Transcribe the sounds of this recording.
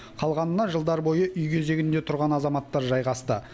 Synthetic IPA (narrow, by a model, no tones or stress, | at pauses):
qʰɑlˠʁɑnənɑʒəlˠd̪ɑɾbo̞jəʔʏjkʲʰeze̞ɡʲɪnd̪e̞t̪ʰʊɾʁɑnɑzɑmɑt̪ːɑɾʒɑjʁɑst̪ə